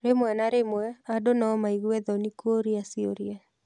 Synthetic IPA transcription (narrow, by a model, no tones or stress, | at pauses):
ɾemwɛnaɾemwɛadonaɔmaiɣuɛðɔnikoɾiasioɾia